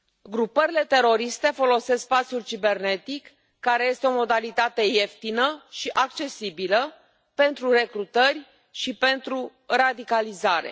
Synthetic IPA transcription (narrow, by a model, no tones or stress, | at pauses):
ɡɾupəɾile̞t̪e̞ɾo̞ɾist̪e̞fo̞lo̞sesks̚pat̪sʲjult͡ʃibe̞rne̞t̪ikː | aɾe̞je̞st̪eo̞mo̞d̪alit̪at̪e̞je̞ft̪inəʃiʔak̚t͡ʃe̞sibilə | pe̞nt̪ɾure̞kɾut̪ərʲ | ʃipe̞nt̪ɾu | rad̪ikalizaɾe̞̰